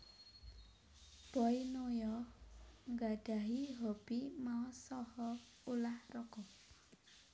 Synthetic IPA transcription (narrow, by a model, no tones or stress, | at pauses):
b̥ɔinojɔ | ŋɡaɖ̥aɦiɦɔb̥imaɔsɔhɔ | ulahrɔkɔ